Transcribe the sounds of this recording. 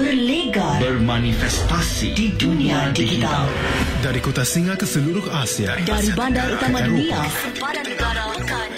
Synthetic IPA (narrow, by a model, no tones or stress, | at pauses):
bərleɡabərmanifɛst̪asḭdidunĩadid͡ʒiit̪at̪aldaɾikot̪asiŋakəsəluɾʊhasia̰daɾibandaɾut̪amadunia